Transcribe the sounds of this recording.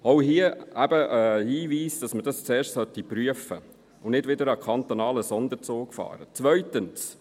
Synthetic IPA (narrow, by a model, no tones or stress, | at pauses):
oʊɦiəæbəʔəhiːʋiːsd̥ɑsmədɑst͡sɛːɾʃtsœt̪ːipɾyəfə | ʊnɪdʋɪdəɾɑkʰɑnt̪onɑːləsɔnd̪əɾt͡soːkfɑ̰ːɾət͡sʋœʏt̪əns